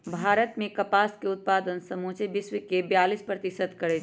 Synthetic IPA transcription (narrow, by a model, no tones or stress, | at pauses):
bʱaːɾət̪mẽkəpaskeʊt̪̚pad̪ənsəmut͡ʃebisʋəkebjaːlispɾət̪isəd̪kəɾɛt̪